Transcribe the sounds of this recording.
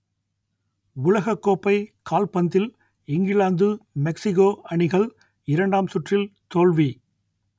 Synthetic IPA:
ʊlɐɣɐkːoːpːɐɪkaːlpɐnd̪ɪl | ɪŋɡɪlaːnd̪ɯmɛksɪɣoːɐɳɪɣɐɭ | ɪɾɐɳɖaːmsʊʈrɪlt̪oːɭʋi

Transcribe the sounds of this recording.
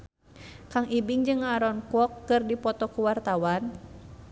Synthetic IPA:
kaŋʔibiŋd͡ʒɨŋaɾɔnkɔkːɨrdipɔt̪ɔkuwart̪awan

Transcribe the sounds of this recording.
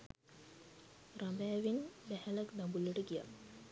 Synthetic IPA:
rambæːʋinbæhælakd̪ambuləʈəɡija̰

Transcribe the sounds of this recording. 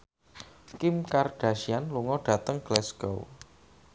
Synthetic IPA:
kɪmkard̥a̤ʃianluŋɔɖ̥ä̤t̪əŋɡ̥lɛsɡ̥o̰w

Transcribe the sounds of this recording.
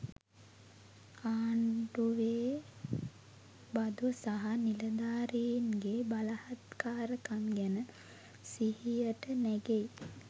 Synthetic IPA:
aːɳɖuʋeː | bad̪usaɦaniləd̪aːɾijinɡebalahat̪kaːɾəkaŋɡænə | sihijəʈənæɡej

